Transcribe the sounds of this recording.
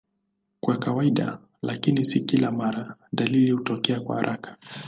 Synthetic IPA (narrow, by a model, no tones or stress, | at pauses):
kwakawaiɗa̰ | lakinisikilamaɾaɗalilihutɔkɛakwa̰ha̰ɾʔakḁ